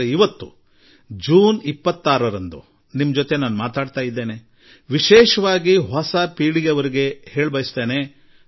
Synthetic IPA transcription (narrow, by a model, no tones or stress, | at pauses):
eiʋɐt̪ːṵ | d͡ʒuːnipːɐt̪ːaːɾɐɾɐnd̪ṵ | nimːɐd͡ʒot̪e̞naːnumaːt̪aːɖt̪aːjid̪ːe̞ːne̞ | ʋiʃɛːʃɐʋaːɡiɦɔsɐpiːɽijɐʋɐɾiɡe̞heːɭbɐjist̪e̞ːne̞